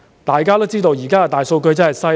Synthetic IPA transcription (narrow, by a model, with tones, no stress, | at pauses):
t̪aː˨jkaː˥t̪o˥wt͡siː˥t̪o˧wjiː˨˩kaː˥a˧˩t̪aː˨jso˧wkɵ˧ɥt͡sɐ˥hɐ˨jsɐ˥